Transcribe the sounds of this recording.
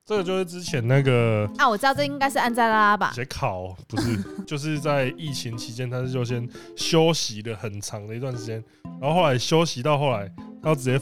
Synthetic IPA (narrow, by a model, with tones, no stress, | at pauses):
ʈ͡ʂə˥˧˩ɡə˨˩t͡ɕjo˥˧ʊʂɻ̩˥˩ʈ͡ʂɻ̩˦˥t͡ɕʰjɛ˨˦nna˥˩ɡə˨˩a˥˩wɔ˨˩ʈ͡ʂ̩̪˥˧˥i˥ŋka˥ɪʂɻ̩˥˧a˥˧nt͡sa˥˩la˦˥la˦˥ba̰˨ɕɛ˨˧˥ɪkʰɑ˨˩˦ʊpu˨˦ʂɻ̩˥˩t͡ɕjo˥˧ʊʂ̬ɻ̩˥˧t͡sa˥˧ɪi˥˩t͡ɕʰi˨˦ŋt͡ɕʰi˧˥t͡ɕjɛ˦nt̪ʰa˥ʂ̩˥˧jo˥˧ʊɕ̬jɛ˦˥n | ɕjo˦ʊɕi˨˦lə˨xə˨˩nʈ͡ʂʰɑ˨˦ŋd̪ə˨i˧t̪wa˥˩nʂɻ̩˧˥t͡ɕjɛ˦n˨˦ | xo˥˧xo˥˩la˧˦ɪɕjo˥ʊɕi˨˥t̪ɑ˥˧ʊxo˥˩ʊla˨˧˦ɪa˥˩ʈ͡ʂɻ̩˨˩jɛ˥˩